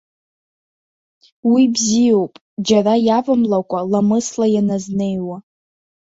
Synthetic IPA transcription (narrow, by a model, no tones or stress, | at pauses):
wibzijo̞wpʼ | d͡ʒarajavɨmlakʷʼalamɨslajanaznejwa